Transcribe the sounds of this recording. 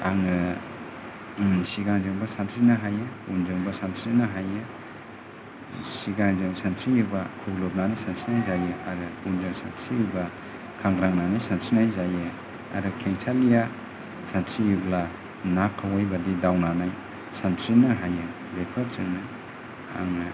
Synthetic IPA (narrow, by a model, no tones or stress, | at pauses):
a̰ŋɯ | siɡaŋd͡ʒɯŋbɐsantɾinaɦajɯund͡ʒɯŋbasantʰɾinaɦajɯ | siɡaŋzɯŋsantʰɾijubakʰuɡlop̚nanajsantɾinajzajɯaɾɯund͡ʒɯŋsantʰɾijuba | kʰaŋɡɾaŋnanajsantʰɾinajzajɯ | a̰ɾɯkʰeŋtʰalija | santʰɾijubla | nakʰːawajbɐdidawnanaj | santʰɾinɐɦajɯ | bepʰɐɾzɯŋna | a̰ŋ